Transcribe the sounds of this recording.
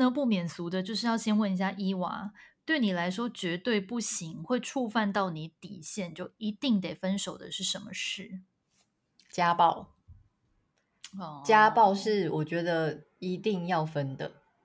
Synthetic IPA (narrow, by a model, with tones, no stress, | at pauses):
nə˧˦pu˥˩mjɛ˨˩nsu˧˥d̪ə˧t͡ɕjo˥˧ʊʂ̬ɻ̩˥˧jɑ˥˩ʊɕjɛ˥nwə˥˩ni˧˥ɕja˥˧ʔi˥wa̰˧˥˦t̪we˥˩ɪni˨˩la˧˥ɪʂ̬wɔ˥t͡ɕɥɛ˧˥t̪we˥˧ɪpu˥˩ɕi˧˥ŋxwe˥˧ɪʈ͡ʂʰu˥˧fa˥˧nt̪ɑ˥˩ʊni˧˥˦t̪i˨˩ɕjɛ˥˧nt͡ɕjo˥˩ʊi˧˥t̪i˥˩ŋt̪e˨˩ɪfə˥nʂo˨˩ʊd̪ə̰˦ʂɻ̩˥˩ʂə˧˥nmə˧ʂɻ̩˥˩ | t͡ɕja˦pɑ˥˩ʊ | ɔ˥˩t͡ɕja˦˥pɑ˥˧ʊʂɻ̩˥˨wɔ˨˩t͡ɕɥɛ˨˧˥d̪ə˧ | i˧˦t̪i˥˧ŋjɑ˥˩ʊfə˦˥nd̪ə˨